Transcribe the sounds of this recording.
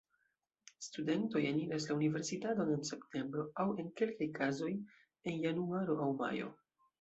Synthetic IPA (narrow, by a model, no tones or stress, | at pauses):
stude̞nto̞janiɾaslaunive̞ɾsitato̞ne̞nse̞pte̞mbɾo̞awe̞nke̞lkajkʰazo̞j | e̞njanuaɾo̞ʔawma̰jo̞̰